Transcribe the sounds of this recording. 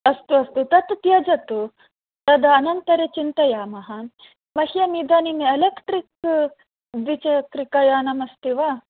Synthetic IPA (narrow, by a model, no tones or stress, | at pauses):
ɐst̪uɐst̪ut̪ɐt̪t̪jɐd͡ʒɐt̪u | t̪ɐd̪ɐːnɐnt̪ɐɾet͡ʃint̪ɐjaːmɐɦɐ | mɐɦjɐmid̪ɐnimelekʈɾik | bit͡ʃɐkɾikajaːnɐmɐst̪iʋa